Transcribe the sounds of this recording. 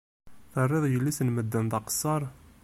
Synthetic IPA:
θərˤːɪðˤjəlːisənməd̪ːənt̪ɑqsˤːɑɾˤ

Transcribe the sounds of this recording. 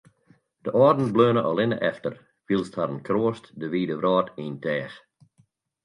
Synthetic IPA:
d̥əʔɔːdn̩bløːnəʔɔlɪnəʔɛftər | filˠsthaɾənkʰroːəstdəʋiːdəʋrɔːtʰiːntʰɛːx

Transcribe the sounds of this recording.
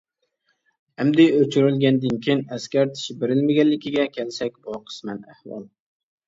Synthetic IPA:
æmd̪ɪɵt͡ʃʰyɾɪlɡʲand̪ɪnkʲʰenæskʲaɾt̪ʰɪ̥ʃɪbeɾɪlmɪɡʲanːɪkʲɪɡʲɛkʲʰelsakʲbɒqʰɨ̥smana̰hwɒ̰lˠ

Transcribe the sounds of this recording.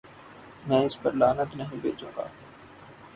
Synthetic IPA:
mɛ̃ːɪspəɾlaːnət̪nəɦĩbḛːt͡ʃũːɡa̰ː

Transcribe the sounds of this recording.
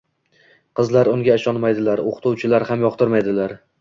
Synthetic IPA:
qʰɨzlaɾʊŋɡʲaɪʃɒnmajd̪ɪlaɾoqʰt̪ʰʊwt͡ʃʰɪlaɾhamjɒqt̪ʰɪɾmajd̪ɪlaɾ

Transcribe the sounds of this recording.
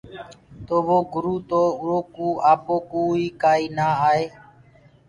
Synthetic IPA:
t̪oːʋoːɡʊɾuːt̪oːʊɾoːkuːaːpoːkoːiːkaːiːnaːaːeː

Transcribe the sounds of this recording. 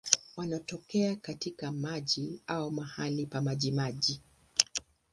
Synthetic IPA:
wanɔtɔkɛakatikamaʄiaumahalipamaʄimaʄi

